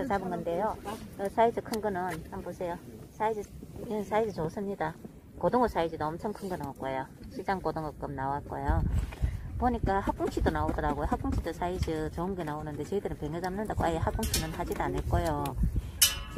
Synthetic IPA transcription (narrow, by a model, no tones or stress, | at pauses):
ʌt͡ɕabɯnɡʌnde̞joɯsʰaid͡ʑɯkʰɯnɡɯnɯnhambosʰe̞josʰaid͡ʑɯinsʰaid͡ʑɯt͡ɕos͈ɯmɲida | kodoŋɡɯs͈ʰaid͡ʑɯdoʌmt͡ɕʰʌŋkʰɯnɡɯnaok͈ojoɕʰid͡ʑaŋkodoŋɡɯk͈ɯmnawat̚k͈ojo | poɲik͈ahak̚k͈uŋt͡ɕʰidonaodʌɾaɡojohak͈uŋt͡ɕʰidosʰaid͡ʑɯt͡ɕoɯmɡenaonɯnde̞t͡ɕʌidɯɾɯnpe̞ŋjʌd͡ʑamnɯndaɡoajehak͈̚uŋt͡ɕʰinɯnɦad͡ʑidanɯɭk͈ojo